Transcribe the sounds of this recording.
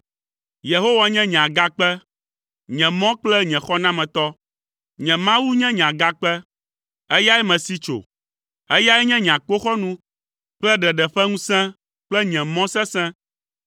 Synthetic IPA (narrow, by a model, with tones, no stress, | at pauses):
je˨ɦo˦wa˨ɲɛ̃˦ɲ̃˨ã˨ɡa˦k͡pɛ˦ | ɲɛ̃˨mɔ̃˦k͡plɛ˦ɲɛ̃˨xɔ˦nã˦mɛ̃˨t̪ɔ˦ | ɲɛ̃˨mã˦wu˦ɲɛ̃˦ɲ˨ã˨ɡa˦k͡pɛ˦ | ɛ˦ja˦ɛ˦mɛ̃˨si˦t͡ʃo̰˨ | ɛ˦ja˦ɛ˦ɲɛ̃˦ɲ˨ã˨k͡po˦xɔ˦nũ˦ | k͡plɛ˦ɖɛ˨ɖɛ˨ɸɛ˦ŋũ˦sɛ̃˦ | k͡plɛ˦ɲɛ̃˨mɔ̃˦sɛ̃˦sɛ̃˦